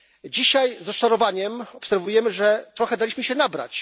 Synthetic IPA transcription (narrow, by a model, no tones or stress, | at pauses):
d͡ʑiɕajzɾɔst͡ʂaɾɔvaɲɛmɔpsɛɾvujɛmɘʐɛt̪ɾɔxɛd̪alʲiɕmɘɕɛnabɾa̰t͡ɕ